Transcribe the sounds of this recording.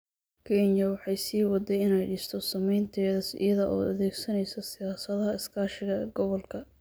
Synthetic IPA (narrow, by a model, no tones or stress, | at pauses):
kʰɛnjɐwɑħɑjsiːwɑd̪ɛjɪnɛjɖiːst̪ʰɔsɐmɛjnt̪ʰɛːðɐsɪ̰jɐðɐʔɔ̰ːɐðɛːɡsɐnɛjsɐsɪjaːsɐðɐɦɐɪskʰaːʃɪɣɐɡɔβɔlkʰɐ